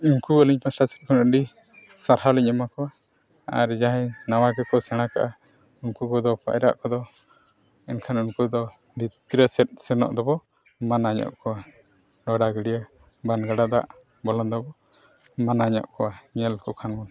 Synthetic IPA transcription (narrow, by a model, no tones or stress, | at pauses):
unkuəliɲpʰasasɛt̪̚kʰɔnəɖi | saɾhaliɲɔmakɔwa | a̰ɾd͡ʒaɦɛ̃nawaɡɛkɔsɛɽ̃aka̰ʔa | unkukɔd̪ɔpa̰jɾa̰ʔkɔd̪ɔ | ɛnkʰanunkud̪ɔ | dit̪ɾɛsɛt̚ˀsɛnɔ̰ʔd̪ɔbɔ | manaɲɔ̰ʔkɔwa | ɖɔɽaɡɛɽija | banɡaɽad̪aʔ | bɔlɔnd̪ɔbɔ | manaɲa̰ʔkɔwaɲɛlkɔkʰanmɔn